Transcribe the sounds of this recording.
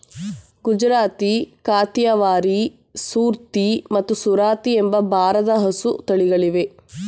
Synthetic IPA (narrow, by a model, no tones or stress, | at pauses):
ɡud͡ʒɾaːt̪ikaːt̪jɐʋaːɾi | suːɾt̪imɐt̪ːusuɾaːt̪iembɐbʱaːɾɐd̪ɐɦɐsut̪ɐɭiɡɐɭiʋe